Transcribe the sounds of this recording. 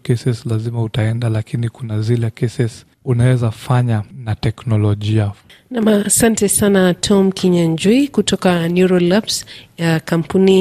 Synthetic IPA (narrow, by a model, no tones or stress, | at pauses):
kɛsɛslazimautaɛndalakinikunazilɛkɛsɛs | unawɛzafaɲanatɛknɔlɔʄia | namasantɛsanatʰɔmkʰiɲaɲd͡ʒuikutɔkanuɾɔlapsjakam̩puni